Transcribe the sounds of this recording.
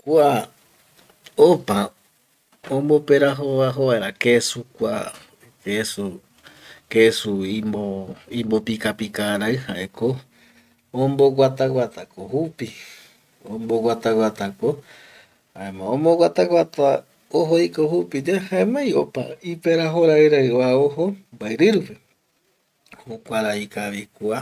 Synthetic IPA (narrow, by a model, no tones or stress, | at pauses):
kua | opa | õmbo̞peɾaɦoβaɦoβaeɾakesukʷa̰ | kesu | kesuimoĩmbopikapikaɾaɨhaʔeko | õmboɡat̪awʷat̪ʰakohupi | õmboɡwat̪awat̪ako | aẽmãõmboɡwat̪awʷat̪a | oɦoikohupid͡ʒehaẽmãjopa̰ipeɾaɦoɾaɨɾaaoɦombaeɾɨɾupe | hukʷaɾaikaʋikʷua